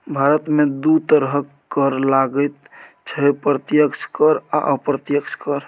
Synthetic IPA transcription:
bʱaɾət̪med̪ut̪əɾɦəkː | əɾlaɡəjt̪ | t͡ʃʰəpɾət̪jəkt͡ʃkəɾa̰ʔəpɾət̪jəkt͡ʃʰkəɾ

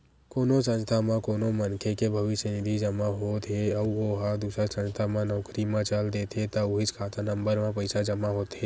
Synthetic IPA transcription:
koːnõsə̃nst̪ʰamãkoːnõmənkʰekebʱɐʋɪʃjənɪd̪ʱid͡ʒɐmaɦot̪ɦeɐʋoɦad̪uːsɾasə̃nst̪ʰamãnɔːkɾimãt͡ʃald̪et̪ʰet̪aʊɦɪt͡ʃkʰaːt̪anə̃mbəɾmãpəɪsad͡ʒɐmaɦoːt̪ɦeː

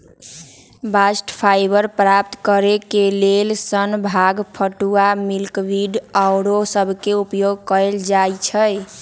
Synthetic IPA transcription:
basʈpʰajbəɾpɾapt̪kəɾekelelsənbʱaɡpʰəʈuamilkbiɖawɾosəbʱkeupjoɡ̚kəɾeld͡ʒajt͡ʃʰəj

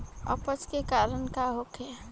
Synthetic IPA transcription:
ə̰pət͡ʃkekaːɾənkaɦokɛ

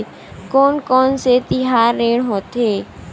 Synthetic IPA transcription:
kɔːnkɔːnset̪ɪɦaːɾːeːɽ̃ɦoːt̪ɦeː

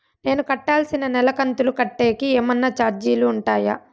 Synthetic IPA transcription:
ne̞ːnukɐʈːaːlsinɐnɛlɐkɐnt̪ulukɐʈːe̞ːkieːmɐnːɐt͡ʃaːɾd͡ʒiːluːɳʈaːja̰

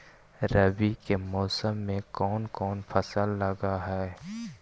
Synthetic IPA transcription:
ɾɐbikemɔːsəmːẽkɔːnkɔːnfʰɐsəlːɐɡaɦɛː

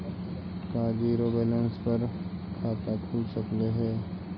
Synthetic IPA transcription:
kaːd͡ʒiːɾoːbɛːlə̃nspɐɾkʰaːt̪akʰuːlsɐkleɦɛː

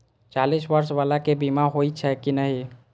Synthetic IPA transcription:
t͡ʃalisʋəɾsʋalakebimaɦoit͡ʃʰɛkinəɦi

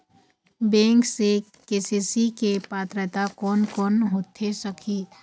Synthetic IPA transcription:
bẽːŋkse | keːsisikepaːt̪ɾət̪akɔːnkɔːnɦoːt̪ʰesəkʰi

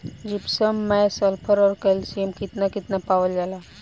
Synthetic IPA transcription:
d͡ʑipsəmːɛsəlpʰəɾɔɾkəlsiəmkit̪nakit̪napaʋəld͡zala

